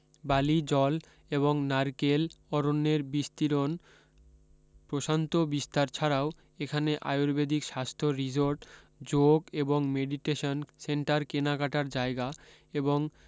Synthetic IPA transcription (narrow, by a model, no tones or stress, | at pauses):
balid͡ʑɔl | eβoŋnaɾkelɔɾonːeɾbist̪iɾon | pɾoʃant̪obist̪aɾt͡ɕʰaɾao | ekʰaneʔa̰joɾbed̪ʱikʃast̪ʰoɾid͡ʑoɾʈ | d͡ʑoɡeboŋmeɖiʈeʃonseɳʈaɾkenakaʈaɾd͡ʑaeɡa | eboŋ